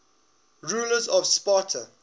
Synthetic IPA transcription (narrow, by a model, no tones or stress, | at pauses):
ɹuːləzɔvspɔtʰə